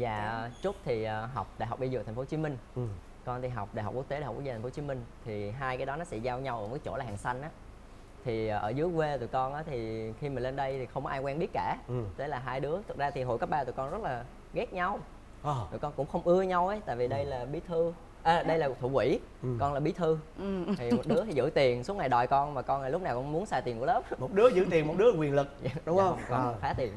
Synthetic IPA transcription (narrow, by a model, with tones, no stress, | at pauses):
vaː˨˩t͡ɕʊ˦˥k͡p̚t̪ʰi˨˩ʔəː˨˩ɦa˨˩wk͡p̚ɗaː˧˩jɦɔ˨˩k͡p̚ɗi˧zṵ˧˨t̪ʰŋ̟fo˨˦t͡ɕi˨˦mï˧ŋ̟ | kɔ˧nt̪i˨˩ɦa˨˩k͡p̚ɗaː˨˩jɦk͡p̚kk̚t̪e˨˦˨h̚ːt̟ʰːfo˨˦t͡ɕi˨˦mï˧ŋ̟t̪ʰi˨˩ɦaː˧jkaː˨˦jɗɔ˨˦nɔ˨˦sɛ̰˧˥zaː˧wɲa˧wʔːjt͡ɕo˧˩laː˨˩ɦaː˨˩ŋsa˧jŋ̟ʔaː˨˦ | t̪ʰiː˨˩˨ʔəː˧˩zɨ˨˦əvwe˧t̪ṵ˧˨jkɔ˧nʔaː˨˦t̪ʰi˨˩xi˧maː˨˩le˧nɗə˧jt̪ʰi˨˩xə˧wŋ͡mkɔ˧aː˧ŋkwɛː˧mɓi˦˥ət̚kaː˧˩t̪e˨˦laː˨˩ɦaː˧jɗɨ˨˦ət̪ʰɨ˨˩k̚zaː˧t̪ʰi˨˩ɦo̰˧˨jkaː˦˥p̚ɓaː˧t̪ṵ˨˩kɔ˧nzə˦˥t̚laː˨˩ | ɣɛ˦˥k̚ɲa˧w̪ | ṵ˨˧˩jkɔ˧nkʊ̰˧˥ŋ͡mxə˧wŋ͡mʔɨ˧əɲa˧wʔə˨˦jt̪a̰ː˧˨jvi˨˩ɗə˧jlaː˨˩ɓi˨˦t̪ʰɨ˧ | ʔa˨˩ɗə˧jlaː˨˩˨t̪ʰṵ˧˩kwḭ˧˩˦ | kɔ˧nlaː˨˩ɓi˨˦t̪ʰɨ˧˨t̪ʰi˨˩m˨˩t̚ɗɨ˨˦˥ət̪ʰi˨˩zɨ̰˧˥t̪i˨˩ənsu˨˦ŋa˨˩jɗɔ̰˨˩jkɔ˧nmaː˨˩kɔ˧naː˨˩lʊ˦˥p̚naː˨˩wkɔ˧nmu˨˦ənsaː˧t̪i˨˩nku˧˦ləː˦˥p̚mo˨˩t̚ɗɨ˨˦˥əzɨ̰˧˥t̪i˨˩ənmo˨˩t̚ɗɨ˨˦əlːwi˨˩ənlɨ˨˩k̚ːɗʊ˨˦ŋ͡mə˧ŋ͡mkɔ˧xaː˨˦˥t̪i˨˩ən